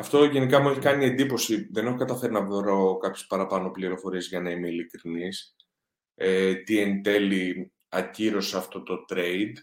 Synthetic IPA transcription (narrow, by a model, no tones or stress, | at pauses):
ɐft̪o̞ʝe̞nikɐmue̞çikɐnie̞nd̪ipo̞siðe̞nexokɐt̪ɐfe̞ɾinɐvoɾokɐpçespɐɾɐpɐno̞pliɾo̞fo̞ɾie̞zʝɐnɐimeilikɾinis | et̪ie̞nt̪e̞li | ɐciɾo̞seɐft̪o̞t̪o̞t̪ɾe̞id̪